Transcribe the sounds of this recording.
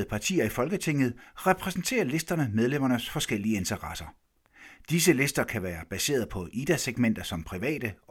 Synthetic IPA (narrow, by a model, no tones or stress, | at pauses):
ð̩ˠpʰɑ̈t͡sʰḭːɐifɒ̽lɡ̥ət͡sʰe̝ŋ̰ð̞̩ˠʁɛpʰʁɛsn̩t͡sʰe̝̰ːɐle̝sd̥ɐnəmeð̞ˠlem̰ɐnəsfɒ̽sɡ̥el̰iəe̝nt͡sʰɐʁɑsɐ | d̥is̬əle̝sd̥ɐkʰæʋæːɐb̥æse̝̰ːɐðˠpʰɒ̽ʔid̥æseɡ̥men̰d̥ɐsɒ̽mpʰʁiʋɛ̰ːd̥ə